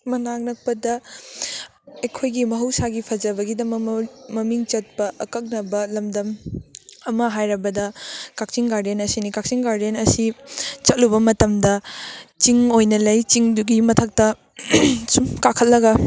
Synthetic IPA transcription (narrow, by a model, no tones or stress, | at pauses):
mɐnaŋnɐk̚pɐdɐ | ɐjkʰojɡimɐɦɐwsaɡipʰɐd͡ʒɐbɐɡidɐmɐkmɐmiŋt͡ʃɐt̚pɐʔɐkɐk̚nɐbɐlɐmdɐm | ɐmɐɦajɾɐbɐdɐkak̚t͡ʃiŋɡaɾdenɐsinikak̚t͡ʃiŋɡaɾdenɐsit͡ʃɐt̚lubɐmɐtɐmdɐt͡ʃiŋojnɐlɐjt͡ʃiŋduɡimɐtʰɐk̚tɐ | sumkakʰɐt̚lɐɡɐ